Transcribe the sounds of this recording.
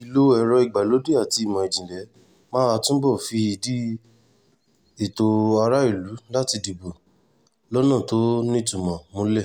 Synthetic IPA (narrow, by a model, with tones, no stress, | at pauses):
i˧lo˦ɛ˧ɾɔ˧i˨ɡ͡ba˨lo˨˦de˦a˦˨ti˧i˨mɔ̃˨i˨d͡ʒĩ˨lɛ˨˦ | mã˦a˧tũ˦bɔ˦˨fi˧i˧di˦ | i˦˨to˧a˧ɾa˦i˦˨lu˨˦la˦ti˧di˨bo˨ | lɔ˦nã˦˨to˨˦nĩ˦tũ˨mɔ̃˨mõ˧lɛ˦˨